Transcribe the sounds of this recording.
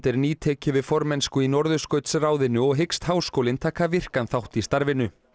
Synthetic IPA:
t̪ɛɾniːt̪ʰɛːcʏvɪðfɔɾmɛnskʏinɔɾðʏskœːɥt̪sraːwðɪnːʏɔɣɦɪkst̪haːwskoːwlɪnt̪ʰaːkʰavɪr̥kanθawht̪ist̪aɾvɪnʏ

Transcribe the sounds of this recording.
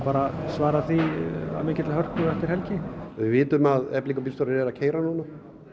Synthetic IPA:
paːɾasvaːɾaθia̰mejcɪt̪ɪlɦœɾ̥t̪ʏɛft̪ɪɾ̥hɛlcɪvɪvɪːt̪ʏmaðɛpliŋkɔpilst̪ɔɾɪɾɛɾacʰeːjɾanuːna

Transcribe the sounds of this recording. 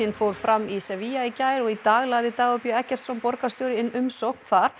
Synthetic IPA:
infowɾ̥fɾʔamːisɛviaicaːjɾɔɣit̪aːɣlaːjðɪt̪aːɣʏpjʏɛhcɛr̥t̪sɔnpɔɾkast̪joːwɾɪɪnːʏmsowhknθaɾ̥

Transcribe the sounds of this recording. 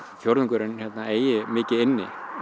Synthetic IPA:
fjowɾðʏŋkʰœɾɪnçjɛt̪naeːjɪmɪːcɪɪnːɪ̰

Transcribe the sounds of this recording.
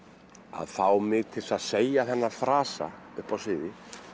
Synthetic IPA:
a̰ðθawmɪɣt̪ʰɪlsaðseːjaθɛnːafɾaːsa̰ | ʏhpawsvɪːðɪ

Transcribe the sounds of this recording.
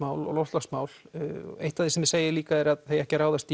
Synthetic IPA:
maːwlɔ̰ɣlɔwfst̪lasmaːwlḛht̪aðɪsɛmɪseːjɪliːkaɛɾaðθejɛhcɪɾaːwðast̪

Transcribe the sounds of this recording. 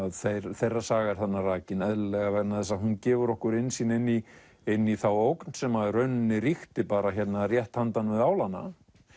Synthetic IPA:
ðθejɾθejrːasaːɣaɾ̥θanːaraːcɪnɛðllɛɣavɛɾnaθɛsːaɦuncɛːvʏɾɔhkʏɾɪnsiːnɪnːi | ɪnːiθawowknsɛmaɾœɥnnɪɾixt̪ɪpaːɾaçɛt̪narjɛht̪hant̪anvɪðaːwlanːa̰

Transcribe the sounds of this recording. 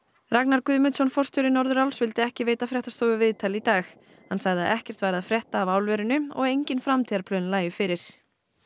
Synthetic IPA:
raknaɾkʏðmʏt̪sɔnfɔr̥st̪ʏɾɪnɔɾðʏɾawlsvɪlt̪ɪɛhcɪveːjt̪afɾɛht̪ast̪oːwʏvɪðt̪ʰalit̪aːx | hansaɣðɪa̰ðʔɛhcɛr̥t̪vaːjɾɪaðfɾjɛht̪aːvawlvɛɾʏnʏɔ̰ɣejɲcɪnfɾamt̪ʰɪaɾpʰlœnlaːjʏfɪɾɪɾ̥

